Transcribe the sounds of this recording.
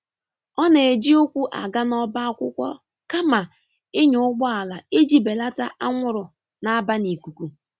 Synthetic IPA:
ɔ˦ne˨e˨d͡ʒi˦o˦kʷu˦ʔa̰˨ɡa˦nɔ˦ba˦a˦kʷʊ˦kʷɔ̰˦ | ka˦ma˨ | ɪ˦ɲʊ˨˦ʊ˦ɡ͡bɔ˦a˨la˨e˦d͡ʒi˦be˨la˦ta˦ʔa˦ŋʷʊ˦ɾʊ˨ | na˨˦ba˦ni˨ku˨kʷu˨

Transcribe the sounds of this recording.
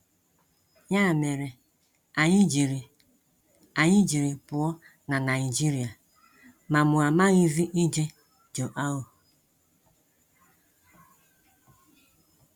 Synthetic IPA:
ja˦˨me˨ɾe˨ | a˨ɲi˦d͡ʒi˨ɾi˨ | a˨ɲɪ˦d͡ʒi˨ɾi˨pʊ˨ɔ˦ | na˨na˨i˨d͡ʒi˦ɾi˨a˨ | ma˨mʊ˨a˨ma˦ɣi˦zi˦ʔi˦d͡ʒe˦ | d͡ʒo˨ʔa˦o˨

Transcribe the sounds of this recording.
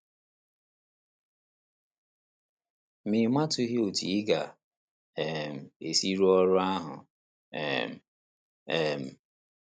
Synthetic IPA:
mi˨˦ma˦tʊ˦ɦi˦o˨tḭ˨˦ɡa˨ | ɛ˨m̩˨e˨si˦ɾu˦ɔ˦ɾʊ˦a˦ɦʊ̰˨ | m˨ | ɛ˦˨m̩˨

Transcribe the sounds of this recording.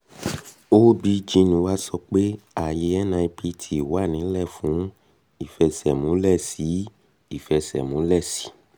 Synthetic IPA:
o˦bi˨˦d͡ʒĩ˧nũ˨˧˦wa˦sɔ˧k͡pe˦a˨je˧˦ɛ˦nã˧i˧pi˧˦tʰi˨wa˦˨nĩ˨˦lɛ˦˨fũ˨˦ | i˦˨fɛ˧sɛ˨mũ˨˦lɛ˦˨si˨˦ | i˦˨fɛ˧sɛ̰˨mũ˨˦lɛ˦˨si̥˨˦

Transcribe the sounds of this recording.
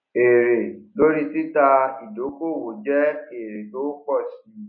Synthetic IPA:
e˨ɾe˨lo˦ɾi˦tɪ˦ta˦i˨do˨˦ko˦˨wo˨d͡ʒɛ˦n˦e˨ɾe˨do˦kɔ˦˨si˦

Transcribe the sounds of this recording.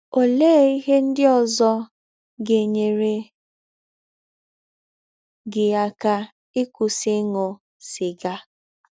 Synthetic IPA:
o˨leː˦˨i˦ɦe˦n̩˦dɪ˦ɔ˨zɔ˦ | ɡe˨ɲe˨ɾe˨ | ɡɪ˨a˨ka˦ | ɪ˦kʷʊ˨sɪ˦ŋɔ˨ | sɪ˨ɡa˦

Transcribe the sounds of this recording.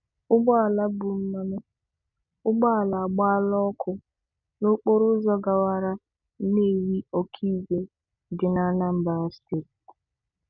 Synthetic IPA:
ʊ˦ɡ͡bɔ˦a˨la˦bʊ˨m̩˦ma˦me˦ | ʊ˦ɡ͡bɔ˦a˨la˨ɡ͡ba˦lɔ˦kʰʊ˦ | nʊ˦k͡po˦ɾʊ˦zɔ˦ɡa˨wa˦ɾa˦ | ne˦˨wi˦o˦kʰi˦ɡe˦ | ɡɪ˨na˦na˦m̩˨ba˨˦stɪ˨

